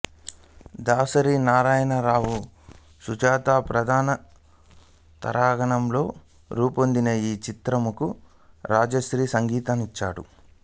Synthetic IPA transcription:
d̪aːsɐɾiːnaːɾaːjɐnɐɾaːwu | sud͡ʒaːt̪aːpɾɐd̪ʱaːnɐ | t̪ɐ̰ɾaːɡɐɳɐmlo̞ː | ɾuːpo̞nd̪inɐiːt͡ʃit̪ɾɐmuku | ɾaːd͡ʒɐsɾiːsɐŋɡiːt̪anit͡ʃːa̰ːɽṵ

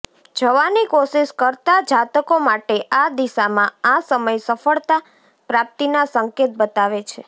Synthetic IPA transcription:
d͡ʒəʋanikoʃiʃkəɾt̪ad͡ʒat̪əkomaʈeʔad̪iʃamãasəməjsəfəɭt̪a | pɾap̚t̪inasəŋket̪̚bət̪aʋet͡ʃʰe

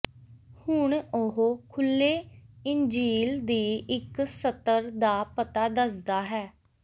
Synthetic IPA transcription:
hʊɳoɦokʰʊlːeːɪnd͡ʒiːld̪iːɪksət̪əɾd̪aːpət̪aːd̪əsd̪aːɦɛː

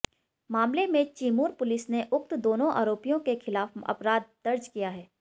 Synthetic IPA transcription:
maːmlemẽt͡ʃiːmuːɾpʊlɪsneʔʊxt̪d̪oːnõʔa̰ːɾoːpijõkexɪlaːfɐ̰pɾaːd̪̚d̪̥ɐɾd͡ʒkijaɦɛː

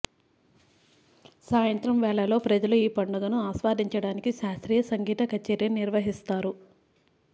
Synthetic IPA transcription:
saːjɐnt̪ɾɐmʋɛːɭːɐlo̞ːpɾɐd͡ʒɐluiːpɐɳɖɐɡɐnuaːsʋaːd̪ʱiɲt͡ʃɐɽaːnikiʃaːst̪ɾiːjɐsɐŋɡiːt̪ɐkɐt͡ʃːɛːɾjɐniɾʋɐɦist̪aːɾu

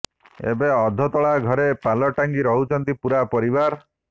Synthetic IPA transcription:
ḛbeɔd̪ʱɔt̪ɔɭaɡʱɔɾepalɔʈaŋɡiɾɔɦut͡ʃʰɔnt̪ipuɾapɔɾiβaɾ

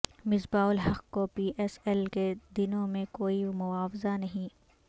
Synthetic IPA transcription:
mɪsbaːʊlɦɐqkopiːʔɛsɛlked̪ɪnõmẽkoːimʊaːfzanɐɦĩ

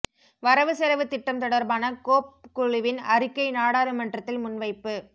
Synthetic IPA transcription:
ʋɐɾɐʋɯsɛlɐʋɯt̪ːɪʈːɐmt̪ɔɽɐɾbaːnɐkoːp̚kʊɻɪʋɪnɐɾɪkːɐɪnaːɽaːɾɯmɐɳɖrɐt̪ːɪlmʊnʋɐɪpːɯ

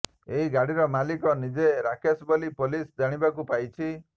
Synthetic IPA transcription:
eɦiɡaɽiɾɔmalikɔnid͡ʒeɾakesbolipolisd̪aɽ̃ibakupajt͡ʃʰi

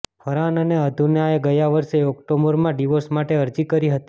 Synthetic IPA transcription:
həɾanəneəd̪ʱunjaeɡəjaʋəɾʃeɔkʈoməɾmãɖiʋosmaʈeəɾd͡ʒikəɾiɦət̪i

